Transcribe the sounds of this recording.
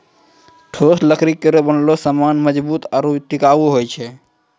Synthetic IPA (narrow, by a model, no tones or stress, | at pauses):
ʈʰosləkʰɾikːəɾebənlosəmanməd͡ʒbuːt̪aɾuʈikabuɦojt͡ʃʰɛ